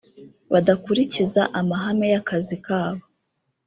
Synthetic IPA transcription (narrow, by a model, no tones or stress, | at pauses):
βadakuɾicizaʔamaɦame̞jakazikaːβo